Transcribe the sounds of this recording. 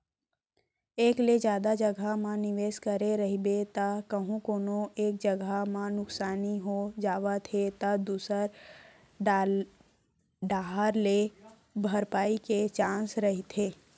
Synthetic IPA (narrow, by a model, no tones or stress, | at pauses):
eːkled͡ʒjaːd̪ad͡ʒəɡʱamãnɪʋeːskəɾeɾɐɦibet̪akəɦũkoːnõeːk̚d͡ʒəɡamãnʊksaːniɦod͡ʒaːʋat̪ʰet̪ad̪uːsəɾ | ɖaːɦaɾle | bʱəɾpaːiket͡ʃãːsɾɐɦit̪ʰeː